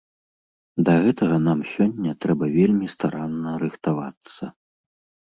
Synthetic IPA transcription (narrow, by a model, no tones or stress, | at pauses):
d̪ɐɣɛt̪ɐɣɐnamsʲɔnʲːɐt̪ɾɛbɐvʲelʲmʲist̪aɾanːɐɾɨxt̪ava̰t̪sːɐ̰